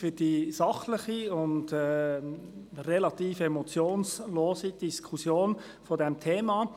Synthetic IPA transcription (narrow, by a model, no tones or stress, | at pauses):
fyd̥isɑχlɪχiʊndɛː | relɑt̪iːfemot͡sjoːnsloːsid̥iskʰusjoːn | fodɛmtʰeːmɑ